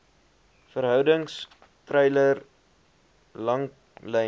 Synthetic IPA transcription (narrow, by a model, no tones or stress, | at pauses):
fəɾɦœwdəŋs | trɛjlər | lɐŋ | lɛ